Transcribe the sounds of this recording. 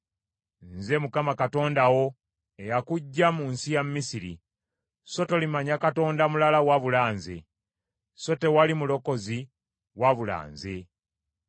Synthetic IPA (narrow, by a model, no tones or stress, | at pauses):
nze̞mukamakato̞ːndawo̞ | ejakuɟːamuːnsijammisiɾḭ | so̞to̞limaɲakato̞ːndamulalawaβulaːnze̞̰ | so̞te̞walimulo̞ko̞zi | waβula̰ːnze̞